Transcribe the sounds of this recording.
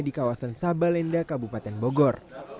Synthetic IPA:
dikawasansabalɛndakabupat̪ɛnboɡɔr

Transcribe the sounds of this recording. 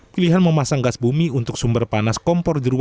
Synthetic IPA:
piliɦanməmasaŋɡasbumiunt̪ʊk̚sumbərpanaskɔmpɔrdəɾua

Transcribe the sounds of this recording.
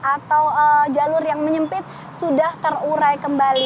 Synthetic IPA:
ʔat̪awəd͡ʒalʊrjaŋməɲəmpɪt̪̚ | sudaht̪əruɾajkəmbali

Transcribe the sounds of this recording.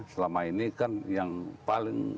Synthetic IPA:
səlamainikanjaŋpaliŋ

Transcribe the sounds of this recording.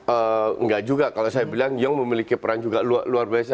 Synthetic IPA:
əŋɡaʔd͡ʒuɡakalasajabilaŋjaŋməmilikipəɾaŋd͡ʒuɡalualuarbias̬a

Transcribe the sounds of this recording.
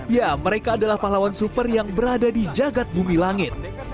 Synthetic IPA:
jaməɾekaːdalahpaɦlawansupərjaŋbəɾadadid͡ʒaɡat̪̚bumilaŋɪt̪̚

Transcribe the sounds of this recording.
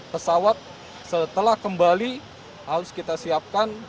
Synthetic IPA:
pəsawat̪̚ | sət̪əlahkəmbali | haɾʊskit̪asiap̚kan

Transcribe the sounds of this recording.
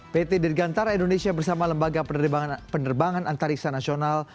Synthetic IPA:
pet̪edirɡant̪aɾaindonesiabərsamaləmbaɡapənərbaŋanant̪aɾiksanasional

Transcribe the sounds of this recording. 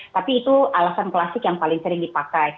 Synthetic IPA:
t̪apiːt̪uʔalasanklasɪkjaŋpalɪŋsəɾɪŋdipakaj

